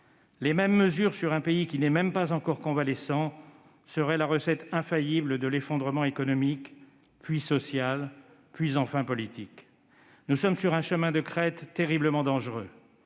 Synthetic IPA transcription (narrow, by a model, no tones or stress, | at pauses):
lemɛmːəzyʁsyʁɛ̃peikʲinɛmɛmpazɑ̃kɔʁkɔ̃valɛsɑ̃ | səʁɛlaʁəsɛt̪ɛ̃fajibləd̪əlefɔ̃d̪ʁəmɑ̃ekɔnɔmik | pɥisɔsjal | pɥizɑ̃fɛ̃pɔlit̪ik | nusɔmsyʁɛ̃ʃəmɛ̃d̪əkχɛt̪ːeʁibləmɑ̃d̪ɑ̃ʒʁø